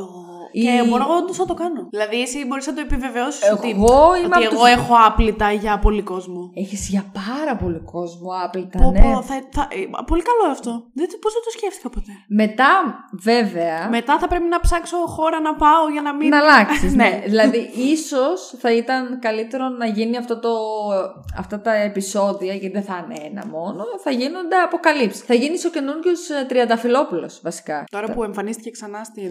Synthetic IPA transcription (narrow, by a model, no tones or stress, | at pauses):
o | eboɾoɣond̪osnɐt̪o̞kɐnoðilɐðiesibo̞ɾiznɐt̪o̞epive̞ve̞osisot̪ɣoioeɣo̞exo̞ɐplit̪ɐʝɐpo̞liko̞zmoeçizʝɐpɐɾɐpo̞liko̞zmuɐplit̪ɐonoθɐθɐʔpo̞likɐloeɐft̪o̞ðt̪pozðɐt̪osceft̪i̥kɐpot̪e̞me̞t̪ɐveveɐme̞t̪ɐθɐpɾe̞pinɐpsɐkso̞xo̞ɾɐnɐpɐoʝɐnɐminɐlɐksizneðilɐðiiso̞sθɐit̪ɐnkɐlit̪e̞ɾo̞nɐʝiniɐft̪o̞t̪o̞ | ɐ̰ft̪ɐt̪ɐepiso̞ðiɐʝɐt̪iðeθɐneenɐ̰mo̞no̞θɐʝino̞nd̪e̞ɐpo̞kɐlipsi̥θɐʝiniso̞cenunʝost̪ɾiɐnd̪ɐfilo̞pulo̞̰svɐsi̥kɐt̪o̞ɾɐpueɱfɐnist̪iceksɐnɐst̪i